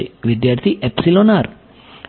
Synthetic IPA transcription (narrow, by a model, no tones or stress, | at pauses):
iʋid̪jaːɾt̪ʰiʔepsilonaːɾ